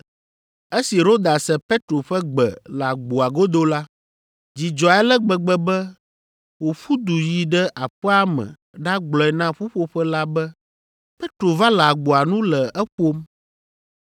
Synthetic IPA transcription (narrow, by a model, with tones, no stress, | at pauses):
e˦si˨ɾo˦d̪a˨sɛ˨pe˦t̪ɾo˨ɸɛ˦ɡ͡bɛ̰˨la˨ɡ͡bo˨a˨ɡo˦d̪o˦la˦ | d͡ʑi˨d͡ʒɔ˨a˨ɛ˦lɛ˦ɡ͡bɛ˨ɡ͡bɛ˨bɛ˦ | wo˨ɸu˦d̪u˨ji˨ɖɛ˦ʔa˨ɸɛ˦a˦mɛ̰̃˨ | ɖa˦ɡ͡blɔ˨ɛ˨nã˦ɸu˦ɸo˦ɸɛ˦la˦bɛ˦ | pe˦t̪ɾo˨va˦lɛ˨a˨ɡ͡bo˨a˨nũ˦lɛ˨ɛ˦ɸo˦m